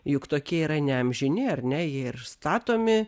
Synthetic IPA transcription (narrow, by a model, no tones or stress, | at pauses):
jʊkt̪oːkʲiɛiːɾɐnʲɛɐmʲʒʲɪnʲɪɐɾʲnʲɛjiɛɪɾst̪ɑːt̪oːmʲɪ